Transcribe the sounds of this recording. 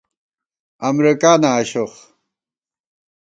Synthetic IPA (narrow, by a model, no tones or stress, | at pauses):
ɐmɾikaːnaːɕoχ